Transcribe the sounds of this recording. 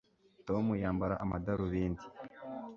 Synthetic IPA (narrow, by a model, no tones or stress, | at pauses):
to̞mujaːmbaɾaʔamadaɾuβeːndi̥